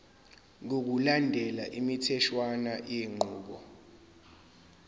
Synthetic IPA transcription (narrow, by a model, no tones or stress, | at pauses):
ŋok̬ulandʱɛlaʔimitʰɛʃwanajeŋ͡ǃʱuːɓɔ